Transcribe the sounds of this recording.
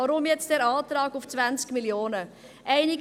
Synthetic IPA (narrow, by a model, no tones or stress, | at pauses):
ɑːɾʊmjɛt͡std̥ɛːɾɑːtrɑːkʊft͡sv̥ænt͡skmiljoːnə | ʔɛɪnɪɡ